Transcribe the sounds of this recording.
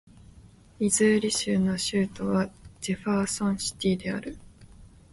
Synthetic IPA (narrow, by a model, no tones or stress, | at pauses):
izɨːɾʲiɕɨːno̞ɕɨːt̪o̞βad͡ʑeɸaːsõɰ̃ɕi̥t̪ʲiːd̪e̞aɾɯ̟